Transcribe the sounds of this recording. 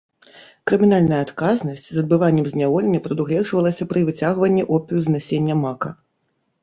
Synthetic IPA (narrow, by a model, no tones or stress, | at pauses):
kɾɨmʲinalʲnɐjɐat̪kaznɐsʲt͡sʲzɐd̪̚bɨvanʲːɛmzʲnʲavɔlʲenʲːɐpɾɐd̪uɣlʲɛʐvɐlˠɐsʲɐpɾɨvɨt͡sʲaɣvɐnʲːiʔɔpʲiuznasʲenʲːɐmakɐ